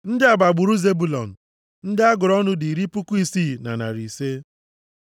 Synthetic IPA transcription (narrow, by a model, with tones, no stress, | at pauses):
n̩˦dɪ˦a˨ɡ͡ba˨ɡ͡bʊ˨ɾu˦ze˦bu˨lɔ̰˨n̩˨ | n̩˦dɪ˦a˦ɡʊ˨ɾɔ˦nʊ˦di˨ɾi˦pʊ˦ku˦i˦siː˦˨na̰˨na̰˨ɾi˨se˦